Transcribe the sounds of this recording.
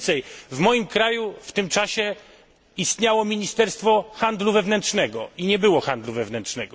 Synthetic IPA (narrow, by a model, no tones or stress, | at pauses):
sɛjvmɔjimkɾajuft̪ɘmt͡ʂaɕɛ | ist̪ɲawɔmʲiɲist̪ɛɾst̪fɔxand̪luvɛvnɛntʂnɛɡɔiɲɛbɘwɔxand̪luvɛvnɛntʂnɛɡɔ